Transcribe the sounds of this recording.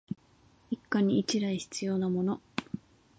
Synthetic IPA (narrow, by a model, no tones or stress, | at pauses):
ikːaɲ̟iːt͡ɕiɾaiçi̥t͡sɨjo̞namo̞no̞